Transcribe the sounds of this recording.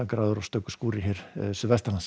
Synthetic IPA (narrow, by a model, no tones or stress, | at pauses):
akɾaːðɔɾɔst̪œːkʏ̥skuːɾɪɦɛɾ̥sʏvɛst̪alans